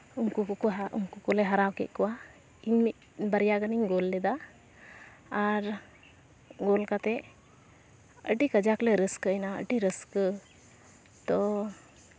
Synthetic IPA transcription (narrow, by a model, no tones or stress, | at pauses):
uŋkukkṵŋkukɔlɛɦaɾawkɛ̰ʔ̚ˀkɔwa | iɲiʔ | bəɾijaɡəniɲɡolːɛd̪a | ɾ | ɡolkat̪ɛ | əʈikəd͡ʒaklɛɾəskəjnaə̰ʈiɾəskə | t̪ɔ